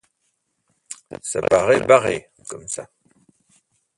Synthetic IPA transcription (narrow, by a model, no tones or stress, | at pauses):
sa̰paʁɛbaʁḛ | kɔmsa